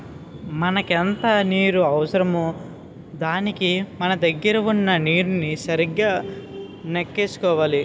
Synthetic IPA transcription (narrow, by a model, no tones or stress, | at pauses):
mɐnɐkent̪ɐniːɾuɐʋɐsɐɾɐmu | d̪aːnikimɐnɐd̪ɐɡːɐɾɐʋunːɐniːɾunisɐɾiɡːaː | nekːeːsu̥kɔːʋaːli